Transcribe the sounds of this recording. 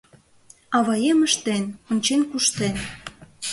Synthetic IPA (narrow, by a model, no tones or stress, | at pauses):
ɑβɑjeməʃt̪enonʲt͡ɕenkuʃt̪en